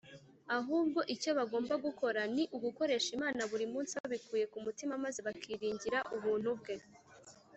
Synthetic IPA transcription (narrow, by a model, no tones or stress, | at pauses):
aɦuːbɡo̞ʔico̞βaɡo̞ːmbaɡuko̞ɾaniʔuɡuko̞ɾe̞ʃimaːnaβuɾimuːnsiβaβikuːje̞kumutimamazeβakʰiːɾiːɲɟiɾaʔuβuːn̥hub̚ɡe̞